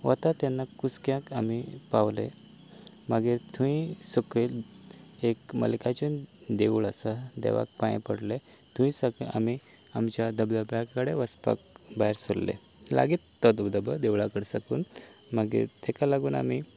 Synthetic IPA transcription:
ʋə̰t̪at̪janːakut͡skjãkamipaʋlḛ | maɡet̪ʰuĩsəkel | ekmə̰lkat͡ɕənd̪eʋuɭasad̪ḛʋa̰k̚pajḭpəɽle | t̪ʰũĩsaka̰mi | amt͡ɕjad̪əbləbjakːəɽeʋəspa̰k̚baɦɾsoɽlḛ | la̰ɡit̪ːəd̪bd̪əbəd̪eʋɭakəɽsakuːn | maɡḛt̪ʰekalaɡuːna̰mi

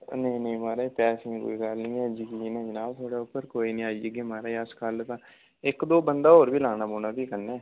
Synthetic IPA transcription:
nə̃nəĩːmaːɾaːipɛːsɪ̃ŋko̰ːiːkalnĩːɛːd͡ʒɪkinaːd͡ʒənaːbt̪ʰoːɽaːʊpːəɾkoːiːnĩːaːid͡ʒəɡeːmaːɾaːiəskəlt̪ãː | ɪkd̪oːbənd̪aːɦoːɾbiːlaːnaːboːnaːbiːkəɾnaː

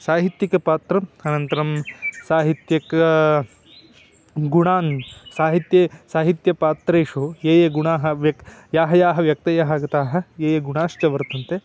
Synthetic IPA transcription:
saːɦit̪jikɐpaːt̪ɾɐmɐnɐnt̪ɐɾɐmsaːɦit̪jɐkɐ | ɡuɳaːnsaːɦit̪jesaːɦit̪jɐpaːt̪ɾeːʂueːjeɡuɳaːɦɐʋjɐkjaːɦɐjaːɦɐʋjɐk̚t̪ɐjaːɦɐɡɐt̪aːɦɐeːjeɡuɳaːʃt͡ʃɐʋɐɾt̪ɐnt̪e

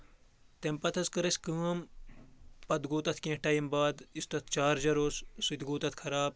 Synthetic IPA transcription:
t̪empɐt̪ʰɐskɐɾɐsʲkəːm | pɐd̪ɡoːt̪ɐt̪ʰkẽːʈɐːjimbaːd̪ist̪ɐt̪ʰt͡ʃaːɾd͡ʒɐɾoːssit̪ɡoːt̪ɐt̪ʰkʰɐɾaːb̚

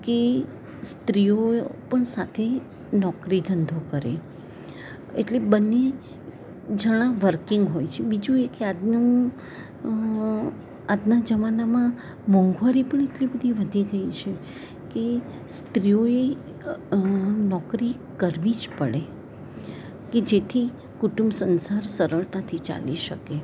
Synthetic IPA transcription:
ke | st̪ɾijopəɳsat̪ʰe | nɔkɾid̪ʱənd̪ʱokəɾḛ | eʈlebənːe | d͡ʒəɽ̃ãʋəɾkɪŋɡɦojt͡ʃʰebid͡ʒũekead̪nũ | ad̪nad͡ʒəmanamã | mɔ̃ŋɡʋaɾipəɳ̃eʈlibəd̪ʱiʋəd̪ʱiɡəjt͡ʃʰe | ke | st̪ɾijoe | nɔkɾi | kəɾʋid͡ʒpəɭe | ked͡ʒet̪ʰi | kuʈumsənsaɾsəɾəɭt̪at̪ʰit͡ʃa̰liʃə̰ke

